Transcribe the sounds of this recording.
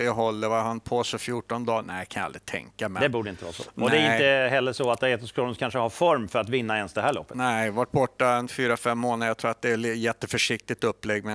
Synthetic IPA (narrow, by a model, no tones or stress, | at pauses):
ɦɔlːəvahanpʰoːsɛfjuːʈɔnd̪ɑːnæɪkʰanj̰aa̰d̪ɾɪt̪ʰɛ̰ŋkamɛd̪ɛbuːɖəɪnt̪əvɑ̰ːso̰ɔɛæɾɪt̪əɦɛlːəʂoat̪d̪ɾɛt̪ːɔskʰɾuːnɾkʰanʂəhɑfɔɾmfœɾat̪vɪnːaɛnsd̪ɛɦæːɭɔ̰pːənɛɪvaʈ̚bɔʈːaɛnfyːɾafɛmːoːnəəjat̪ʰɾuːɾat̪̚d̪ɛːljɛt̪ːəfœʂɪk̚t̪ɪt̪ɵpːlɛɡːmɛn